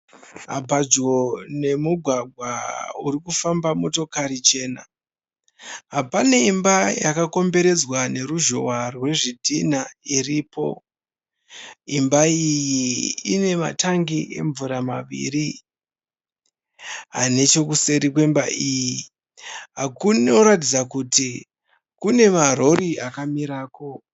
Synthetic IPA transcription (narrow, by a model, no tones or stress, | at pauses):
ɦa̰bad͡ʒo̞ne̞muɡʱwaɡʱwauɾikufambamo̞to̞kaɾit͡ʃe̞ːna | ɦapane̞imbajakako̞mbe̞ɾe̞d͡zwane̞ɾuʒo̞warwe̞ʐidʱinairipo̞̰ | imbaijiḭne̞ma̰taŋɡiʔe̞ɱvuɾamaʋḭri | ɦa̰ne̞t͡ʃo̞kuse̞ɾik̬we̞mbaiːji | ɦakunoɾat̬id͡zakuti | kune̞maɾo̞ɾiakamiɾaːko̞